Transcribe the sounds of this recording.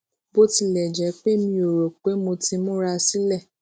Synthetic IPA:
bo˦ti˧lɛ˨d͡ʒɛ˨˦k͡pe˦˨mĩ˧o˨ɾo˨k͡pe˨˦mo˧ti˦mõ˦ɾa˧si˦lɛ˦˨

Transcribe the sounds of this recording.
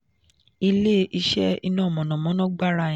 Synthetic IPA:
i˧le˦ʔi˧ʃɛ̰˦i˧nɔ̃˦˨mɔ̃˨nɔ̃˨mɔ̃˨˦nɔ̃˦ɡ͡ba˦ɾã˧˦˨

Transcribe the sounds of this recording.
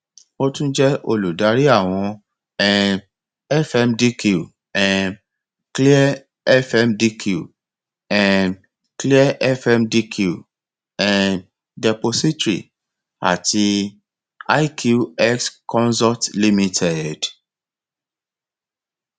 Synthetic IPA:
o˦tũ˦d͡ʒɛ˦o˧lu˨da˨˦ɾi˦a˦˨w̃ɔ̃˧ | ɛ̃˨ | ɛ˦fɛ˧mdi˦ki˨ | ɛ̃˨ | kli˦ɛ˦ | ɛ˦fɛ˦mdi˦kuu˨ | ɛ̃˨n | kli˦ɛ˦ʔɛ˦fɛ˦mdi˦kʰu˦˨ | ɛ̃˨ | dɛ˨po˧si˦tɾḭ˨ | a̰˨tʰi˧ | a˦i˦kʰju˦ɛ˦kskɔ̃˦nsɔ˦tli˦mĩ˧tʰɛ˨d

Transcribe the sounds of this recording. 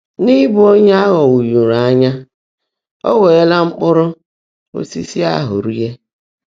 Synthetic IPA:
ni˦bʊ˨˦o˦ɲe˦a˦ɣɔ˨wu˨ju˨ɾa˨a˦ɲa˦ | ɔ̰˦we˨e˦la˦ŋ͡m̩˦k͡pʊ˦ɾʊ˦ | o̰˦si˦si˦a̰˦ɦʊ̰˨ɾi˦je˦

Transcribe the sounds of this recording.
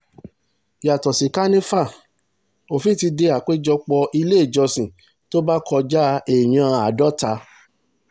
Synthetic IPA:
ja˨tɔ˨si˨ka˦nĩ˦fa˦˨ | o˨fi˦˨ti˧de˧a˨k͡pe˦d͡ʒɔ˧k͡pɔ˧ʔi˧le˦˨d͡ʒɔ˧sĩ˨ | to˦ba˦kʰɔ˧d͡ʒa˦e˨j̃ã˧a˨dɔ˦ta˧

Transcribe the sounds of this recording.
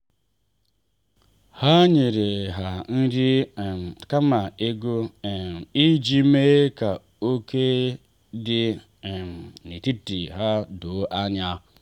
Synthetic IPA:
ha˦ɲe˨ɾe˨ɦa˨n̩˦ɾi˦˨ | ka˦ma˨e˦ɡo˦˨ | i˦d͡ʒi˦me˦ka˨ | o˦ke˦ | di˦˨ | ni˨ti˦ti˨ɦa˦do˨˦ʔa˦ɲa˦

